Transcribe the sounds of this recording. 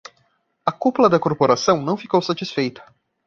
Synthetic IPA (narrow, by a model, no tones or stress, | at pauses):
ɐkuplɐd̪ɐkoɾpoɾasɐ̃w̃nɐ̃w̃fikowsat͡ʃisfejt̪ɐ̥